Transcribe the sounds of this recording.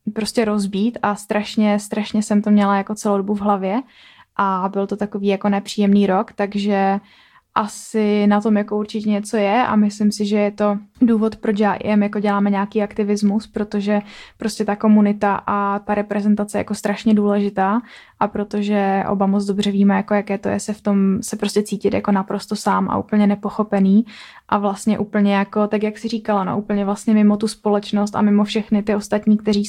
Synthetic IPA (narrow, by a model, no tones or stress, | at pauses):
pɾo̞scɛɾo̞zbiːt̪ʔast̪ɾaʃɲɛst̪ɾaʃɲɛsɛmt̪omɲɛlajako̞t͡sɛlowdobuvɦlavjɛ | ʔabɪlt̪o̞t̪ako̞viːjako̞nɛpr̥iːjɛmniːɾo̞kt̪aɡʒɛ | ʔasɪnat̪o̞mjako̞uɾt͡ʃɪcɛɲɛt͡so̞jɛʔa̰mɪslɪmsɪʒɛjɛt̪o̞duːvo̞t̪pɾot͡ʃjaːʔɪ̰ʔɛmjako̞ɟɛlaːmɛɲaːkiːakt̪ɪvɪzmuspɾo̞t̪o̞ʒɛpɾo̞scɛt̪ako̞munɪt̪aʔat̪aɾɛpɾɛzɛnt̪at͡sɛjɛja̰kost̪ɾaʃɲɛduːlɛʒɪt̪aː | ʔapɾo̞t̪o̞ʒɛʔo̰bamot͡sdo̞br̝ɛviːmɛjako̞jakɛːt̪o̞jɛ̰sɛft̪o̞msɛpɾo̞scɛt͡siːcɪt̪ja̰ko̞napɾo̞st̪osaːmʔa̰ʔṵːpl̩ɲɛnɛpo̞xo̞pɛniː | ʔavlast̪ɲɛʔuːpl̩ɲɛjako̞t̪akjaksɪriːkalano̰ʔupl̩ɲɛvlast̪ɲɛmɪmo̞t̪uspo̞lɛt͡ʃno̞st̪a̰mɪmofʃɛxnɪt̪ɪo̞st̪at̪ɲiːk̚t̪ɛɾ̝iː